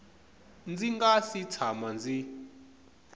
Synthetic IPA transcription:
nd͡ziŋɡasit͡sʰamand͡zi

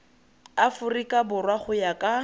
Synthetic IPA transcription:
afʊrikʼabʊrwaχʊjakʼa

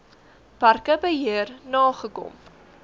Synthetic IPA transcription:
pɐrkəbəɦiərnɑːχəkɔ̰m

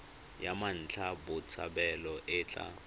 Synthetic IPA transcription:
jaman̩t͡ɬʰabʊt͡sʰa̰bɛlɔʔɪt͡ɬʼa̰

